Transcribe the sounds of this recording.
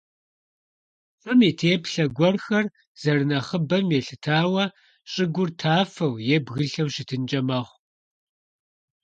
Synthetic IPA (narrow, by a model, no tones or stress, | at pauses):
fʼɐmitʰeːpɬɐɡʷɔrxɐr | z̥ɐrɨnɐχəbɐmjɛɬɨtʰaːwɐ | ɕʼɪɡʷʊrtʰaːfɐwjɛbɣɨɬɐwʃɪtʰɨnd͡ʒʼɐmɐʁʷ